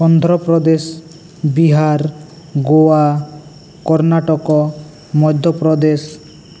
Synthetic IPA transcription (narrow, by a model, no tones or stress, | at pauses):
ɔnd̪ʱɾɔpɾɔd̪es | biɦaɾ | ɡoa | kɔɾnaʈɔkɔ | mɔjd̪ʱjɔpɾɔd̪es